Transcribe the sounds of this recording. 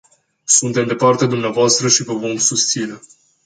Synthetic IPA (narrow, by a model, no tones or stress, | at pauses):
sunt̪e̞md̪e̞part̪ed̪umneavoast̪ɾəʃivəvo̞msust̪sine̞